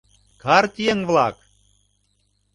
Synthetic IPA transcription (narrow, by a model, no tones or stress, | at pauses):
kʰɑrt̪ʲijeŋvlˠɑk